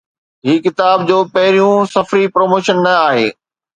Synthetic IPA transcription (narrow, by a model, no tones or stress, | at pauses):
ɦiːkɪt̪aːb̚d͡ʑoːpɐɦɪɾijũsɐfɾipɾoːmoːʃənːɐaːɦḛː